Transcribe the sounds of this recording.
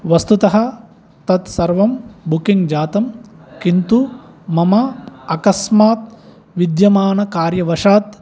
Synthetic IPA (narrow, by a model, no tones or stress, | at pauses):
ʋɐst̪ut̪ɐɦɐ̆ | t̪ɐt̪sɐɾʋɐmbukiŋɡd͡ʒaːt̪ɐmkint̪u | mɐmɐɐkɐsmaːt̪̚ | ʋid̪jɐmaːnɐkaːɾjɐʋɐʂaːt̪